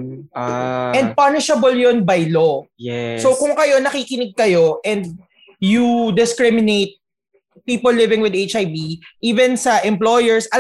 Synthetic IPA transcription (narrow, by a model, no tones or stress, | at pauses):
ʔɛnd̪̚pɐnɪʃɐbɐljonbɐjlojɛsokʊŋkɐjo̞nɐkiːkɪnɪɡ̚kɐjo̞ʔɛnd̪̚ | jud̪ɪskɹɪmɪnet̪̚ | piːpɔllːɪvɪ̃ŋwɪd̪et͡ʃajbiʔiːvɛ̃nsɐʔɛ̃mplojɛɹsɐ